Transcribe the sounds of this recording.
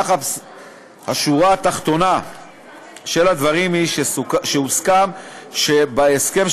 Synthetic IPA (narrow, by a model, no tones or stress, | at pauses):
χa | haʃuʁaːt̪aχt̪o̞na | ʃe̞lad̪vaʁimhiʃeʃeuskamʃebaeske̞m